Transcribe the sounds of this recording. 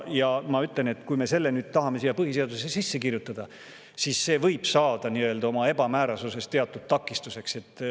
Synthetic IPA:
jɑmɑyt̪ˑle̞ne̞t̪ːkujme̞se̞lːe̞nyːd̪̥̚t̪ɑɦɑme̞sijɑpɤɦis̬e̞ɑd̪̥usesːesisːe̞kirjut̪ːˑɑd̪̥ɑ | sisːe̞ːvɤjb̥sɑːd̪̥ɑniø̞ld̪̥ɑo̞mɑe̞bɑmæːɾɑsuse̞st̪e̞ɑt̪ːˑud̥̪̚t̪ɑkːˑist̪use̞kse̞t̪ːˑ

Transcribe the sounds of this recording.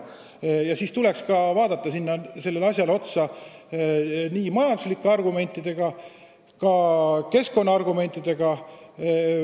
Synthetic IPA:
jɑsiːst̪ule̞kskɑvɑːd̪ɑt̪ːˑɑsinːɑse̞lːe̞lɑsʲjɑlo̞t̪sɑ | niːmɑjɑnd̪uslikːe̞ɑrɡume̞nʲt̪ːˑid̪̥e̞ɡ̥ɑ | kɑke̞sko̞nːɑɑrɡume̞nʲt̪ːˑid̪̥e̞ɡ̥ɑ

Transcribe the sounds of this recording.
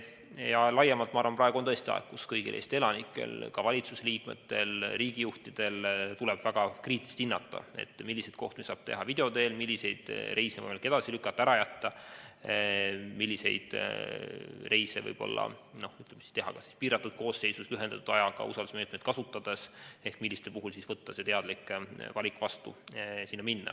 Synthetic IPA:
jɑlɑjemɑlt̪mɑɑːɾvɑnprɑeɡuont̪ɤest̪iɑ̰ḛkkuskɤjɡḭlʔḛst̪e̞lɑnikːˑe̞̰lkɑvɑlʲit̪suse̞liːkme̞̰t̪ːe̞lriːɡ̥ijuht̪id̪̥e̞lt̪ulɛb̥væɡ̥ɑkriːt̪list̪inːɑt̪ːˑɑ̰ḛt̪ːˑmilːise̞jd̪̥ko̞ht̪umisɑːb̥t̪e̞̰ɦɑvid̪e̞o̞d̪e̞ːlmilʲːise̞jd̪̥re̞jse̞ɤ̰jmekːed̪̥ɑsilykːˑɑt̪ːɑæɾɑjæt̪ːɑ | milʲːise̞̰jd̪̥ | re̞jse̞vɤ̰jb̥o̞̰lːɑ̰no̞hyt̪lemei̥st̪e̞ɦɑ̰kɑsi̥spiːɾɑt̪ːˑud̪̥̚ko̞ːsːe̞jsusyɦend̪ɑt̪ud̥̪ɑjɑɡ̥ɑ̰ṵsɑld̪usme̞ːt̪med̪̥kɑsut̪ːˑɑd̪ese̞hkmilːist̪epuɦulsisvɤt̪ːɑse̞t̪e̞ɑd̪̥likˑvɑlʲikvɑst̪usinːɑminːɑ̰

